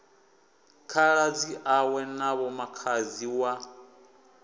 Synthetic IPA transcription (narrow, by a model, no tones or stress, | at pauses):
kʰaɺad͡ziʔawɛnaβɔmakʰaziwa